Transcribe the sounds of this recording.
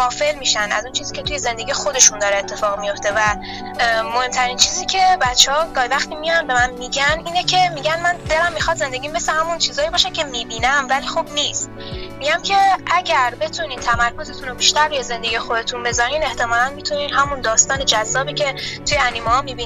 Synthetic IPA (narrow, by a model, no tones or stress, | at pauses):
ɒːfe̞lmiːʃænd̪æ̰zunt͡ʃʰiːziːcʰʲet̪ʰuje̞ze̞nd̪e̞ɡijxod̪e̞ʃund̪ɒːɾeːt̪ʰːe̞fɒːɣmijo̞ft̪e̞væ | mohe̞mt̪ʰæɾint͡ʃʰiːziːcʲʰe̞bæt̪t͡ʃːehɒːɡ̥ɒːhivæxt̪iːmijanbe̞mænmiːɟæniːnecʰe̞miɟænmænd̪e̞læmːixɒd̪ze̞nd̪e̞ɡiːmbesehæmunt͡ʃʰiːzɒːjibɒːʃæncʲʰe̞miːbiːnæmvælixubniːst̪̚ | miɟæmcʰe̞ʔæɟæɾbe̞t̪ʰuniːnt̪ʰæmæɾko̞ze̞t̪ʰunobiʃt̪æɾbijeze̞nd̪eɡijexod̪e̞t̪ʰunbe̞zɒɾiːne̞ht̪e̞mɒːlænmit̪ʰuniːnɦæmund̪ɒːst̪ɒːne̞d͡ʒæzːɒːbiːcʰe̞t̪ʰujeænimehɒːmiːbin